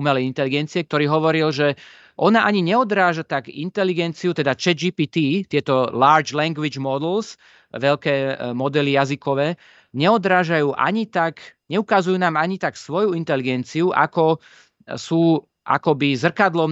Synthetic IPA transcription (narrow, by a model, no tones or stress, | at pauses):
umɛlɛint̪ɛliɡɛnt͡siɛk̚t̪ɔɾiːɦɔʋɔɾilʒɛ | ʔɔnaʔaɲiɲɛɔd̪ɾaːʒat̪akḭnt̪ɛliɡɛnt͡siut̪ɛd̪at͡ʃɛd͡ʒipiːt̪iːt̪ɪɛt̪ɔlaːɾd͡ʒlɛŋɡʋid͡ʒmɔd̪ɛls | ʋɛʎkɛːmɔd̪ɛlijazikɔʋɛː | ɲɛɔd̪ɾaːʒajuːʔa̰ɲit̪akɲɛukazujuːnaːmaɲit̪aksʋɔjuint̪ɛliɡɛnt͡siuʔa̰kɔ | suː | ʔa̰kɔbizr̩kad̪lɔm